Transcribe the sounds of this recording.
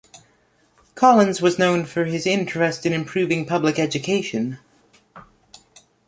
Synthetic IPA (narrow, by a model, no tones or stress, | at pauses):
kʰɑlˠə̃nzwʌznõʊ̃nfə˞ɪzɪ̃nt͡ʃɹ̥ɨstɨ̃nɨ̃mpʰɹ̥ʉvɪ̃ŋpʰʌblɨkɛd͡ʒɨkʰeɪʃɨ̃n